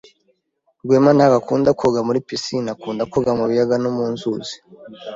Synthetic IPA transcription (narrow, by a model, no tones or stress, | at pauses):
ɾɡweːmanaɡakuːndakʰoɡamuɾipisinakuːndakoɡamuβijaɡanomuːnzuzi̥